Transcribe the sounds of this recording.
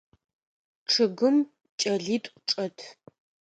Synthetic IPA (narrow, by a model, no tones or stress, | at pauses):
ʈ͡ʂʰɨɡɨm | t͡ʃʼɐɮiːtʼʷʈ͡ʂʼɐtʰ